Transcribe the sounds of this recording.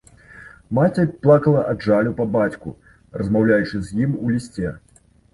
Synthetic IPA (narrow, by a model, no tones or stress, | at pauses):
mat͡sʲɛplˠakɐlˠɐʔadʐalʲupɐbat͡sʲkṵ | rɐzmawlʲajut͡ʂɨzʲjimulʲisʲt͡sʲɛ